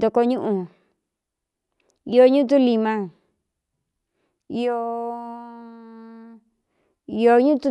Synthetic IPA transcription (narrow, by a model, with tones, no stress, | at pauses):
d̪o˧ko˧˦ɲũ˦ʔũ˧ | i˧o˧˦ɲũ˦t̪̬ũ˦li˧mã˧ | i˧o˧ | i˧o˧ɲũ˦t̪u˦